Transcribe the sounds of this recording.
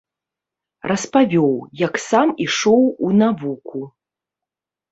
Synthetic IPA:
rʔɐspavʲɔwjɐksamiʂɔwunavukʰu

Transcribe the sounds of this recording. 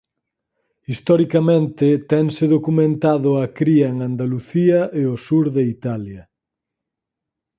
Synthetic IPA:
ist̪ɔɾikɐmẽnt̪ɪt̪ɛŋsɪðokumẽnt̪aðʊakɾiɐeŋand̪aluθiɐʔeosuɾðeit̪aljɐ

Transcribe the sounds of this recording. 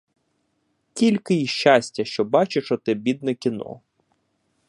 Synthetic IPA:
kʲilʲkɪjiʃt͡ʃːasʲtʲːɐʃt͡ʃɔbɑt͡ʃɪʃɔt̪ɪbʲid̪̚nɛkʲinɔ̰

